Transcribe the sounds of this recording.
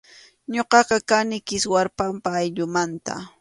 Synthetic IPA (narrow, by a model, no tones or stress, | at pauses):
ɲoqɑqɑkanɪkɪswaɾpampaːjʎʊmant̪a̰